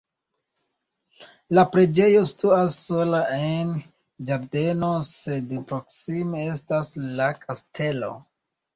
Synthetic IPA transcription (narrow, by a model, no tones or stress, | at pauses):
lapɾe̞d͡ʒe̞jo̞stuasːo̞laen | d͡ʒaɾde̞no̞se̞dpɾo̞ksime̞e̞staslakʰastʰe̞lo̞̰